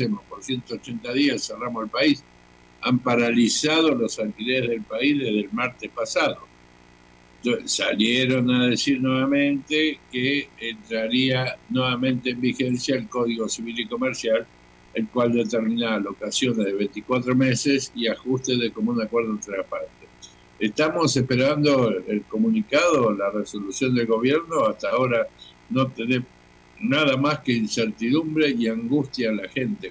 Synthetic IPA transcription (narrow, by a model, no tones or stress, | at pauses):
emopoɾsjent̪oːt͡ʃe̞nt̪aðiasseramoelpais | ampaɾalisaðo̞losalk̪ilezðe̞lpaizðeɦðelmaɾt̪espasaðo̞ | osa̰ljeɾo̞naðe̞siɾnweβamẽnt̪ekeːnt̪ɾaɾianweβamẽ̞nt̪eːmbixensjaelko̞ðiɣo̞siβiliko̞meɾsjal | elkwald̪e̞t̪eɾminalo̞kasjo̞nezðeβ̞ent̪ikwat̪ɾo̞mesesiaxust̪eðekomunakweɾðoent̪ɾelapant̪es | est̪amo̞sehpeɾand̪o̞elko̞munikaðolareso̞lusjo̞nd̪e̞lɣo̞β̞jeɾnoast̪ao̞ɾa | no̞t̪ene | naðamaskeinseɾt̪iðumbɾe̞iaŋɡust̪jaːlaxe̞nt̪e